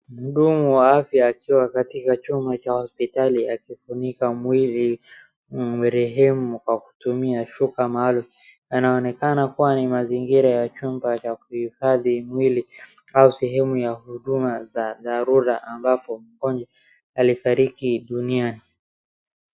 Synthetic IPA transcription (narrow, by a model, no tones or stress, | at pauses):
m̩uɗumuwaafjaːkiwakatikat͡ʃumbat͡ʃahɔspitaliakifunikamwili | mɛɾɛɦɛmukwaku̥tumiaʃukamalu | janaɔnɛkanakuwanimaziŋɡiɾajat͡ʃumbat͡ʃakuhifaðimwili | ausɛɦɛmujahuɗumazaðaɾuɾaʔambapɔm̩kɔnd͡ʒɛ | alifaɾikiɗuniani